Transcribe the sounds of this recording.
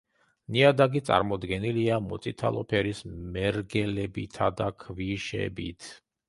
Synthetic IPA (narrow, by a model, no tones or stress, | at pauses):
niad̪aɡit̪sʼa̰ɾmɔd̪ɡɛniliamɔt̪sʼit̪ʰa̰lˠɔpʰɛɾismɛɾɡɛlɛbit̪ʰad̪akʰviʃɛ̰bḭt̪ʰ